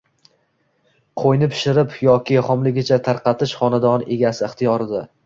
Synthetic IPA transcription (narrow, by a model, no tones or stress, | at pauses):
qʰojnɪpʰɪ̥ʃɪɾɪpjɒkʲʰɪχɒmlɪɡʲɪt͡ʃʰat̪ʰaɾqɑt̪ʰɪʃχɒnad̪ɒne̞ɡʲasɪɪχt̪ʰijɒɾɪd̪a